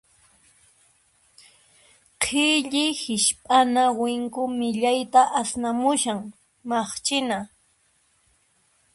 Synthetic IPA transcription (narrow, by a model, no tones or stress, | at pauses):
qʰɪʎɪhɪʃpʼanawɪŋkʊmɪʎajt̪aʔasnamʊʃaŋ | mɑχt͡ʃɪna